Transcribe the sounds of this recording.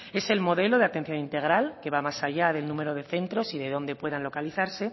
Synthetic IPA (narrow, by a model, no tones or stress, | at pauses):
e̞se̞lmo̞ðe̞lo̞ðe̞at̪e̞n̟θjo̞nint̪e̞ɣ̞ɾalke̞βamasaʝaðe̞lnũme̞ɾo̞ð̞e̞θe̞nt̪ɾo̞siðe̞ðo̞nd̪e̞pwe̞ðanlo̞kaliθaɾse̞